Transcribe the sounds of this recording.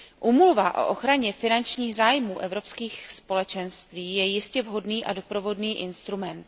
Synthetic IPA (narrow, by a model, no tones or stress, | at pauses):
ʔuːmulvaʔo̞̰ʔoxɾaɲɛfɪnant͡ʃɲiːɣzaːjmuːʔɛvɾo̞pskiːxspo̞lɛt͡ʃɛnst̪viːjɛjɪscɛvɦo̞dniːʔado̞pɾo̞vo̞dniːʔɪnst̪ɾumɛnt̪